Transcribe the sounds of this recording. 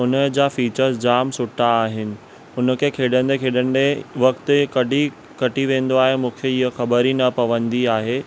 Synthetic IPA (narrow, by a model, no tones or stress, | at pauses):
ʊnəd͡ʑaːfiːt͡ɕəɾsd͡ʑaːmsʊʈʰːaːɦɪnɪ̆ | ʊnə̆kʰeːkʰeːɗə̃nd̪ekʰeːɗəndeʋɐkt̪ɪkɐɖʱi | kɐʈiʋẽːn̆d̪oaːɦemũːkʰeɪɦəxɐbəɾinɐpɐʋə̃nd̪iaːɦeː